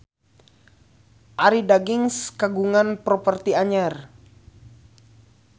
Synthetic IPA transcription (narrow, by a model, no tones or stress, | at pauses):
ʔaɾidaɡiŋskaɡuŋanpɾɔpərt̪iaɲar